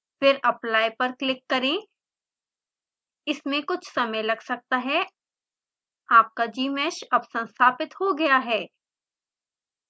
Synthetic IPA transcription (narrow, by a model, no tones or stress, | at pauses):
fɪɾɐplaːjpɐɾklɪkːɐɾẽ | ɪsmẽkʊt͡ʃʰsɐməjlɐɡsɐk̚t̪aɦɛ | aːp̚kad͡ʒiːmɛːʃɐbsɐ̃nst̪ʰaːpɪt̪ɦoɡɐjaɦɛː